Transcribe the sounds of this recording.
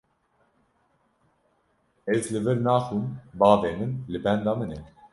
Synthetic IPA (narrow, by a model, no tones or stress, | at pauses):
ɛzlɨvɨɾnɑːxuːnbɑːveːmɨnlɨbɛnd̪ɑːmɨnɛ